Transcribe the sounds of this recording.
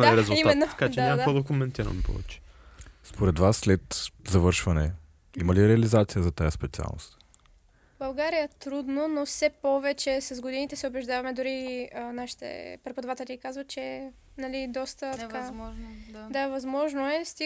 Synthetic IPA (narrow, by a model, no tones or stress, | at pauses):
liɾɛzulimaɛnːot̪ɐkadt͡ʃɛnaɔd̪ɐkomɛnt̪iɾɐ̰npʰɔ̰vɛ̰t͡ʃɛ̥ | spoɾɛd̪vasːlɛt̪zɐvɤɾʃvɐnɛ | imɐliɾɛɐlizat̪sijəzɐt̪ajəspɛtsia̰lˠno̰st̪ | bɐlˠɡaɾijət̪ɾud̪nonofsɛpɔvɛt͡ʃɛsɐzɡod̪init̪ɛsɛʊbɛʒd̪avɐmɛd̪ʊɾiənaʃi̥t̪ɛ̰pɾɛpʊd̪ɐvat̪ɛlikazvɐt̪̚t͡ʃɛ | nɐlid̪ɔst̪ət̪ka | d̪avɐzmɔʒnoɛst̪i